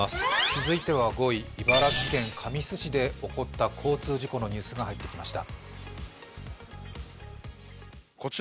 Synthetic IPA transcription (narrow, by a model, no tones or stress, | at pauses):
asɨ̥t͡sɨzɨit̪e̞β̞aɡo̞iːbaɾakʲiɡẽ̞ŋkʰamʲisɨɕid̪e̞o̞ko̞t̪ːakʰo̞ːt͡sɨːʑiko̞no̞ɲ̟ɨːsɨɡahait̪ːe̞kʲimaɕi̥t̪a̰ | ko̞t͡ɕ